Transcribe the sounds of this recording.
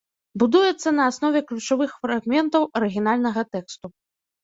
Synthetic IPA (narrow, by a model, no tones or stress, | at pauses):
bud̪ujɛt̪sːɐnɐːsnɔvʲɛklʲut͡ʂavɨxfɾaɣmʲɛnt̪ɐwɐɾɨɣʲin̪alʲnɐɣɐt̪ɛkst̪u